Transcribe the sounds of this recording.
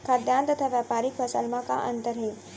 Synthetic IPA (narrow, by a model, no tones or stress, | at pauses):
kʰad̪jaːnt̪ɐt̪ʰaːʋjaːpaːɾikpʰɐsəlmaka̰ʔənt̪əɾɦeː